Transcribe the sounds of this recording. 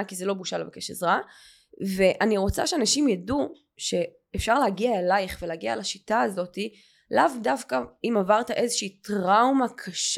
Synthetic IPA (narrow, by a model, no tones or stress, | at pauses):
kizelobuʃalevakeʃḛzʁa | ve̞ʔaniʁo̞t͡sa̰ʃeanaʃimjadu | ʃe̞ | efʃaʁlehaɡiaelajχveleaɡialaʃitaːzo̞ti | lavdafkaimavaʁtaʔe̞zeʃiːtʁawmakʰaʃ